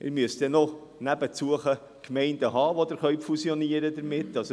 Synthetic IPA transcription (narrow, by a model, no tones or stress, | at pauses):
ʔɪ̰ɾmyəsd̥̪ɛnɔ | næbət͡suəχə | kʰmɛɪndəɦɑːʋod̪əɾχœɥfusjoniəɾəd̪əɾmɪt̪ːɑs